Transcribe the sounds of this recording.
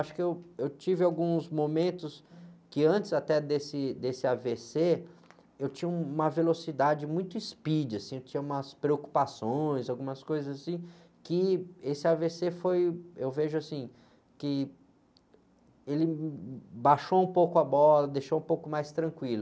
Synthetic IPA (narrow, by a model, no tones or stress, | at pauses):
aʃʊ̥kɪewewt͡ʃivɪawɡũzmomẽnt̪ʊskɪɐ̃nt͡ʃɪzat̪ɛd̪esɪd̪esɪavese | ewt͡ʃĩɲɐũmɐvelosid̪ad͡ʒɪmũj̃t̪ʊispid͡ʒɪasĩewt͡ʃĩɲɐũmɐspɾeoku̥pasõj̃zawɡũmɐskojzɐzasĩ | kɪesɪavesefojewveʒʊasĩ | kɪ | elɪ | baʃoũpowkʊabɔlɐd̪ejʃoũpowkʊmajst̪ɾɐ̃kwilʊ